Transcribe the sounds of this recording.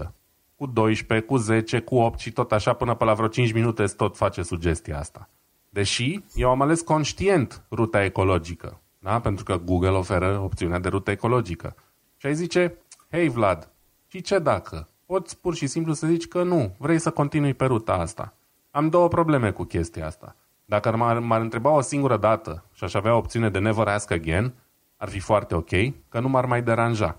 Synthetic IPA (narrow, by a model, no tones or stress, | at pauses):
ə | kud̪o̞jʃpe̞kuze̞t͡ʃe̞kuo̞p̚t̪ʃit̪o̞t̪aʃapɨnəpəlavɾot͡ʃint͡ʃʲminut̪e̞st̪o̞t̪fat͡ʃe̞sud͡ʒe̞st̪ija̰a̰st̪a | d̪e̞ʃije̞wamale̞sko̞nʃt̪ie̞nt̪rut̪ae̞ko̞lo̞d͡ʒikə̰ | d̪ape̞nt̪ɾukəɡuɡəlo̞fe̞ɾəo̞p̚t̪siunead̪e̞ɾut̪əeko̞lo̞d͡ʒikə̰ | ʃiajzit͡ʃe̞he̞jvlad̪ | ʃit͡ʃe̞d̪akʰə | po̞t̪sʲpurʃisimplusəzit͡ʃʲkənuvɾejsəko̞nt̪inujpe̞ɾut̪aast̪a̰ | amd̪o̞wəpɾo̞ble̞me̞kukʲe̞st̪ijaa̰st̪a̰ | d̪akəamamaɾɨnt̪ɾe̞bao̞siŋɡuɾəd̪at̪əʃiaʃaveaopt̪siune̞d̪e̞ne̞vəɾəaskəɡʲe̞n | arfifoart̪e̞o̞kʲe̞jkənumarmajd̪e̞ɾanʒa